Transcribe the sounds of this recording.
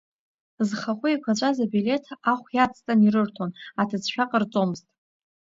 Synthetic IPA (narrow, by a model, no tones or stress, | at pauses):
zχaχʷʊikʷʰat͡ʃʷʼazabile̞tʰaχʷjat͡sʰʼtʼaniɾɨrtʰonatʰɨt͡sʰʃᶣaqʼərt͡sʼo̞mɨztʼ